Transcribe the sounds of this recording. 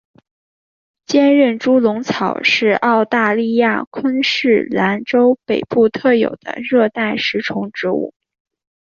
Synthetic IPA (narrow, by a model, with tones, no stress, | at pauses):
t͡ɕjɛ˥nɻə˥˩nʈ͡ʂu˥lʊ˧˥ŋt͡sʰɑ˨˩ʊʂɻ̩˥˧ʔɑ˥˧ʊt̪a˥˧li˥˧ja̰˥˩kʰwə˥nʂɻ̩˥˩la˧˥nʈ͡ʂo˥ʊpe˨˩ɪpu˥˧t̪ʰɤ˥˩jo̰˨˩ʊd̪̥ə̰˦ɻɤ˥˧t̪a˥˩ɪʂɻ̩˧˥ʈ͡ʂʰʊ˧˥ŋʈ͡ʂɻ̩˧˥ṵ˥˩